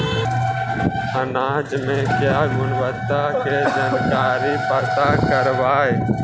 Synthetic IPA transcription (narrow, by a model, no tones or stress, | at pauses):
ənaːd͡ʒmẽːkjaːɡʊnʋət̪akʰeːd͡ʒənkaːɾiːpət̪aːkəɾʋaːe